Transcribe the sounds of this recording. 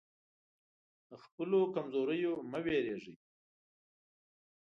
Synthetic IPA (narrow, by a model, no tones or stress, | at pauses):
d̪əxpəlokamzoɾəjoməweɾeʐi